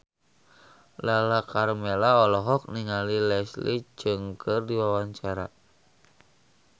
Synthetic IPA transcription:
lalakarmɛlaɔlɔɦɔk̚niŋalilɛslḭd͡ʒɨŋkʰɨrdiwawaɲt͡ʃaɾa̰

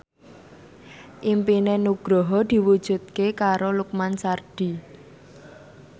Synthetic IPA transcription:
ʔimpinenuɡ̥ɾɔɦɔd̪̥i̤wud̥ʒ̥ṳt̪̚kekaɾoluk̚mansarɖ̥i̤

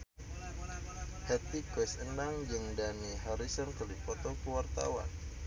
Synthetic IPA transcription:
hɛt̪ikwɛsənaŋd͡ʒəŋdaniɦɔɾisɔnkəlipɔt̪ɔkəwart̪a̰wa̰n

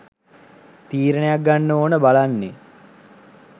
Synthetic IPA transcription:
t̪iːɾənejak̚ɡanːəoːnəbalanːe

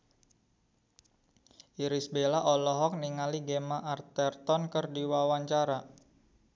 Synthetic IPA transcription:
ʔiɾisbelaʔɔlɔɦɔk̚niŋaliɡemaʔart̪ɛrt̪ɔnkərdiwawaɲt͡ʃaɾa

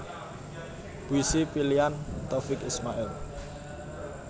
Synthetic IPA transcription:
b̥wisipiliant̪ofɪkismaʔɛl

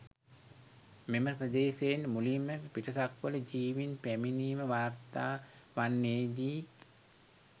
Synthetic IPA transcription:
meməpɾəd̪eːseːnmulimːəpiʈəsakʋələd͡ʒiːʋinpæminiːməʋaːrt̪aːʋanːeːd̪iː

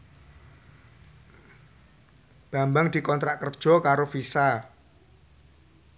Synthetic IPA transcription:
b̥a̤mbaŋd̪̥i̤kɔnt̪ɾaʔkərd̥ʒ̥ɔ̤kaɾofisa

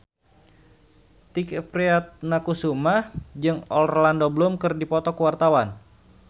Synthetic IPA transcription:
t̪ikpɾiat̪̚nakusumahd͡ʒɨŋɔlrolandoblumkɨrdipɔt̪ɔkəwart̪awan

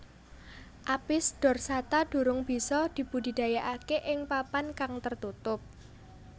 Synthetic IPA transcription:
ʔapɪsd̥ɔ̤rsat̪aɖ̥ṳɾʊŋb̥i̤sɔd̪̥i̤b̥udi̤d̥a̤jaʔakeʔɪŋpapankaŋt̪ərt̪ut̪ʊp̚

